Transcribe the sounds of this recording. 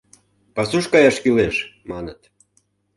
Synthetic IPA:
pɑsuʃkɑjɑʃkyleʃmɑnət̪

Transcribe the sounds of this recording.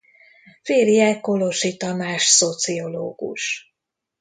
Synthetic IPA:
feːrijɛkoloʃit̪ɒmaːʃsot̪sio̞loːɡ̥ṵʃ

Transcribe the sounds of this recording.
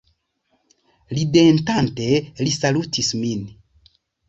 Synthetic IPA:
lidentante̞lisalutʰismin

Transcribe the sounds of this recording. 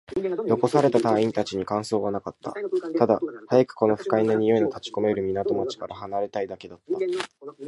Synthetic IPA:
jo̞ko̞saɾe̞t̪at̪aːĩnt̪at͡ɕiɲ̟ikãɰ̃so̞ːβanakat̪ːa̰t̪ad̪ahajakɯ̟̥ko̞no̞ɸɯ̟̥kainaɲ̟ijoinat̪at͡ɕi̥ko̞me̞ɾɯ̟mʲinat̪o̞mat͡ɕi̥kaɾʔaɦanaɾe̞t̪aid̪ake̞d̪at̪ːa

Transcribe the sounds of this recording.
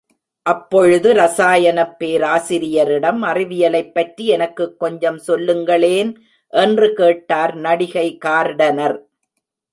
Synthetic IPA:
ʔɐpːɔɻɯðɯɾɐsaːjɐnɐpːeːɾaːsɪɾɪjɐɾɪɽɐmɐrɪʋɪjɐlɐɪpːɐʈriɛnɐkːɯkːɔɲd͡ʒɐmsɔlːɯŋɡɐɭeːn | ʔɛndrɯkeːʈːaːɾnɐɽɪɣɐɪkaːɾɽɐnɐɾ

